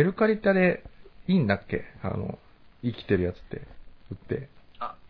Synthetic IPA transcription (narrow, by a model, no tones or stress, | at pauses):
eɾɯ̟kaɾʲit̪ːad̪eiːnd̪akːe̞̰a̰no̞̰ | ikʲi̥t̪e̞ɾɯ̟jat͡sɨ̥t̪ːe̞̰ɯ̟t̪ːe̞a